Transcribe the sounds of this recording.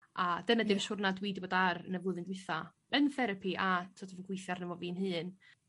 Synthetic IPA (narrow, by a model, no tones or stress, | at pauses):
ad̥ənadɪmsʊrnadwiːdboːdaɾənəvlˠʊðˠɨndwɨθa | ənθɛɾəpʰiʔatʰɔdɔvənɡwɪjθjarnɛvɔviːnɦɨːn